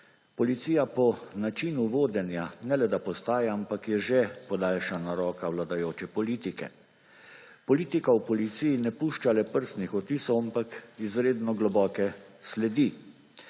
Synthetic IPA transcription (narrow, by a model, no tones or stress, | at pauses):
pɔlit̪siːjapɔnat͡ʃinuʋoːd̪ɛnjanɛlɛd̪apɔst̪aːjɛampakjɛʒepɔd̪aːlʃanaɾɔːkawlad̪ajoːt͡ʃɛpɔliːt̪ikɛ̰ | pɔliːt̪ikawpɔlit̪sijinɛpuːʃt͡ʃalɛpəɾst̪nixɔt̪iːsɔwampakizɾeːd̪nɔɡlɔbɔːkɛslɛd̪i